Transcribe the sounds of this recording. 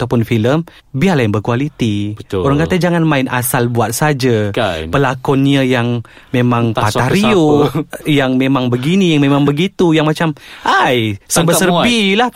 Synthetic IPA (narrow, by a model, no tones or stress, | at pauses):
at̪awpʊnfiləm | biarlajəŋbərkualit̪ibət̪oɾaŋkat̪ad͡ʒaŋanmaɪna̰salbuat̪̚sad͡ʒapəlakɔnɲajaŋ | memaŋpaaɾiojaŋmemaŋbəɡinijaŋmemãŋbəɡit̪ujaŋmat͡ʃamajsəbəsərbilah